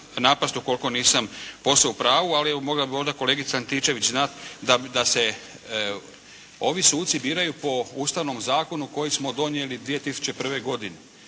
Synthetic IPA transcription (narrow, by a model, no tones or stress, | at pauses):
napast̪uko̞lko̞niːsampo̞slaupɾaːʋualiɛomo̞ɡlabio̞nd̪ako̞le̞ːɡit̪saant̪it͡ʃe̞ʋit͡ɕznat̪d̪ad̪ase̞ | o̞ʋisuːt̪sibiːɾajupo̞uːst̪aʋno̞mzaːko̞nuko̞jismo̞d̪o̞njelid̪ʋije̞t̪isu̥t͡ɕepr̩ʋe̞ɡo̞d̪ine